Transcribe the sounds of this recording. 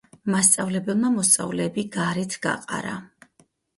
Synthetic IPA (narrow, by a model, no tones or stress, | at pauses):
mast̪sʼavlɛbɛlˠmamɔst̪sʼa̰vlɛːbiɡaɾit̪ʰɡ̥a̰qʼa̰ɾa̰